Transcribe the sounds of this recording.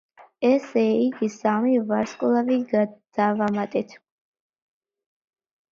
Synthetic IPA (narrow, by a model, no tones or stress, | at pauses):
ɛsɛiɡisamivaɾskʼulˠaviɡad̪̥avamat̪ʼɛt̪ʰ